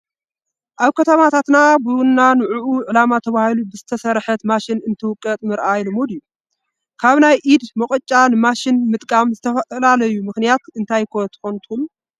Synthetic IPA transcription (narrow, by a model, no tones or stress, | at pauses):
ʔaβkʰɐt̪ʰɐmat̪ʰat̪nabɨnːanɨʕuʔuʕɨlamat̪ʰɐβahilubɨzɨt̪ʰɐsɐɾħɐt̪maʃɪnɨnt̪ʰɨwʊkʼːɐt̪ʼmɨɾʔajlɨmod̪ijːu | kʰaβnajʔid̪mɐχʼɨt͡ʃʼːanɨmaʃɪnmɨt̪ʼkʼamzɨt̪ʰɐfɐlalɐjumɨxnijat̪ɨnt̪ʰajkʰot̪ʰɨ̥xont̪ʰulːu